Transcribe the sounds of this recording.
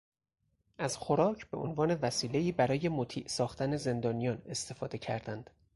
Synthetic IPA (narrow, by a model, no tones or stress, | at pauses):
ʔæz̥xo̞ɾɒːcʰb̥e̞ʔo̰nvɒːne̞væsiːle̞iːbæɾɒːje̞mot̪ʰḭːʔsɒːxt̪æne̞ze̞nd̪ɒːnijɒːne̞st̪ʰe̞fɒːd̪e̞cʰæ̰ɾd̪ænd̪̥